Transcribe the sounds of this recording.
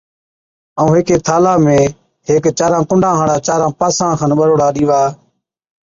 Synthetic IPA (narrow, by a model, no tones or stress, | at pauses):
əũːɦɪːkeːt̪ʰaːlaːmẽː | ɦeːkt͡ʃaːɾãːkʊɳɖʱãːɦãːɽaːt͡ʃaːɾãːpaːsãːkʰanɓəɾoːɽaːɗiːʋaː